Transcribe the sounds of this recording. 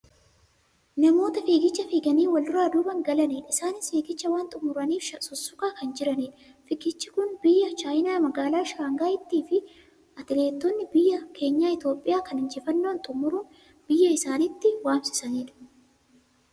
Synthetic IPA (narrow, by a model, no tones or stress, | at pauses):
nɐmo̞ːt̪ɐfiːɡɪt͡ʃːɐfiːɡɐniːwɐldʊɾaːd̪uːbɐŋɡɐlɐniːᶑɪsaːnɪsfiːɡɪt͡ʃːɐwaːnt̪ʼʊmʊɾɐniːfʃɐsɔsːʊkʼaːkɐnd͡ʒɪɾɐniːᶑɐ | fɪkɪt͡ʃːɪkʊnbɪjːɐt͡ʃaːjɪnaːmɐɡaːlaːʃaːŋɡaːjɪt̪ːiːfɪ | ɐt̪ɪle̞ːt̪ːɔnːɪbɪjːɐkʰe̞ːɲːaːɪt̪jo̞ːpʼːɪjaːkɐnɪnd͡ʒɪfɐnːoːnt̪ʼʊmːʊɾuːn | b̥ɪjːɐɪsaːnɪt̪ːɪwaːmsɪ̥sɐniːᶑɐ̥